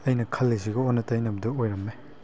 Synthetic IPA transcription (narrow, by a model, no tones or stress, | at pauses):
ɐjnɐkʰɐlːis̬iɡɐonːɐtɐjnɐbɐdɐojɾɐmːe